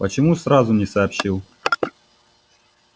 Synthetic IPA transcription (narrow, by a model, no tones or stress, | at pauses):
pət͡ɕɪmusɾazʊnʲɪsɐːpɕilˠ